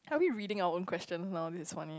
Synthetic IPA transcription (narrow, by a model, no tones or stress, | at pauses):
haʊbiɹiːɾɪ̃ŋaʊəõnkʰwɛst͡ʃə̃nsnaʊd̪ɪsɪsfani